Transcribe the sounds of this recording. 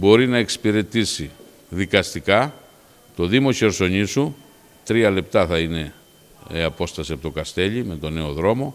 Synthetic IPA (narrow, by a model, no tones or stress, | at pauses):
bo̞ɾinɐe̞ksi̥piɾe̞t̪isi | ðikɐst̪ikɐ | t̪o̞ðimo̞çe̞ɾso̞ɲisu | t̪ɾiɐle̞pt̪ɐθɐine̞ | eɐpo̞st̪ɐsiɐpt̪o̞kɐst̪e̞ʎime̞t̪o̞ne̞oðɾo̞mo̞